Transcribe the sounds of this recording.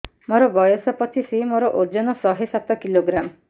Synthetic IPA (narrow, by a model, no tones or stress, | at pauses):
moɾɔbɔjɔsɔpɔt̪ʰisimoɾɔʔod͡ʒɔnɔsɔɦesat̪ɔkiloɡɾam